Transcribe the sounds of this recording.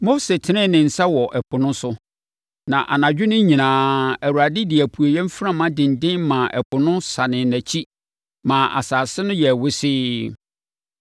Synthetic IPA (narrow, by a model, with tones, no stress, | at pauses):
mo˦se˨tʰɪ˨nɪ̃˦nɪ̃˨n̩˨sa˦wɔ˨ʔɛ˨pʰʊ˨nʊ̃˦sʊ˦ | nã˨ʔa̰˨nã˨d͡ʑᶣʊ˦nʊ̃˦ɲĩ˨nãː˨˦æ˨wu˨ɾa˨dɪ˦dɪ˨æ˨pʰu˨o˨jɛ̃˦m̩˦fɾã˦mã˦dɪ̃˨n˨dɪ̃˦nmã˨ʔɛ˨pʊ˨nʊ̃˦sa˨nɪ̃˨næ˨t͡ɕʰi˦ | mã˨ʔa̰˨saː˨sɪ˦nʊ̃˦jɛ˨wʊ˦sɪː˦